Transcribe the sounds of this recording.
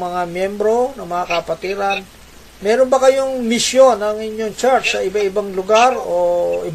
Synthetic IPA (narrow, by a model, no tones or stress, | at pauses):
mɐŋamjɛmbɾo̞nɐmɐŋakɐpɐt̪iːɾan | mɛːɾonbɐkɐjo̞ŋmɪsjonɐŋɪɲːoŋt͡ʃaɹsɐʔɪbaʔɪbaŋlʊɡaɾoʔɪ